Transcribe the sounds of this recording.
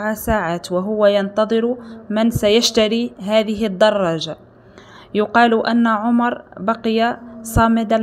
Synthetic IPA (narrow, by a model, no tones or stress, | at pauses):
ʕasaːʕaːt̪waɦʊwajɑnt̪ɑðˤɨɾmɪnsajaʃt̪aɾiɦaːðɪɦɪd̪ːɑrˤːɑːʒa | jʊqɑːlʊʔæ̰nːaʕʊmɑɾˤbɑqɪjasˤɑːmɪd̪a